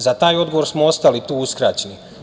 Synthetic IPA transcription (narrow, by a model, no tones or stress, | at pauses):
zat̪aːjo̞d̪ɡo̞ʋo̞ɾsmoo̞st̪alit̪uːuskɾaːt͡ɕe̞ni